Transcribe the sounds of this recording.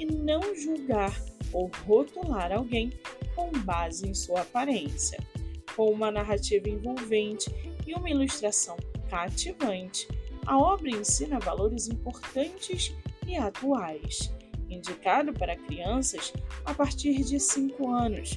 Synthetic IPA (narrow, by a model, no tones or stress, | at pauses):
ɪnɐ̃w̃ʒuwɡaɾowɦot̪ulaɾawɡẽj̃kõbazɪẽj̃suɐapaɾẽsijɐ̰kõw̃ũmɐnaɦat͡ʃivɐẽvowvẽnt͡ʃɪ̥ːũmɐiluʃt̪ɾasɐ̃w̃kat͡ʃivɐ̃nt͡ʃɪ̥ɐ̰ɔbɾɐẽsĩnɐvaloɾɪzĩpoɾt̪ɐ̃nt͡ʃɪsɪat̪uajsĩnd͡ʒikad̪ʊpaɾɐkɾiɐ̃sɐsapaɾt͡ʃiɾd͡ʒɪsĩŋkʊɐ̃nʊs